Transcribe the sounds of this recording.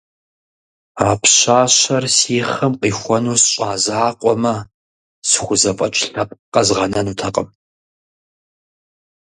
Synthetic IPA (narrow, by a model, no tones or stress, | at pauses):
aːpʰɕaːɕɐrsiːχɨmqʼiːxʷɔnuːsɕʼaːzaːqʷʼɔmɐ | sχʷʊzɐpʼɐt͡ʃʼɬɐpʼqɐzʁɐnɐnuːtʰɐqʼəm